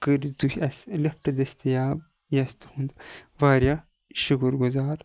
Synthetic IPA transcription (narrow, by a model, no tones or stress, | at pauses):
kəɾd̪uhʲɐslɐpʈɐd̪ɐst̪ɐjaːb | jɐst̪hũnd̪ʋaːɾja | ʃukuɾɡuzaːɾ